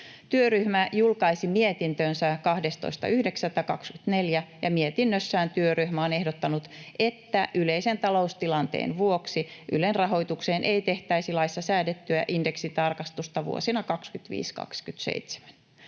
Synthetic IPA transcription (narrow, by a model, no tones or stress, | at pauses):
t̪yøryhmæjulkɑisimiet̪int̪øːnsækɑhde̞st̪o̰ist̪ɑ̰ʔyhdeksæt̪ːækɑkskyt̪neljæjɑmiet̪inːøsːæːnt̪yøryhmæone̞hdot̪ːɑnut̪ʔet̪ːæʔyleisent̪ɑlo̞ust̪ilɑnt̪ḛːnʋuoksiʔy̰lenrɑɦo̞jt̪ukseːnʔeit̪e̞ht̪æisilɑisːɑsæːdet̪ːyæ̰ʔinde̞ksit̪ɑrkɑst̪ust̪ɑʋṵo̰sinɑkɑkskyt̪ʋḭːskɑ̰kskyt̪sḛit̪se̥mæn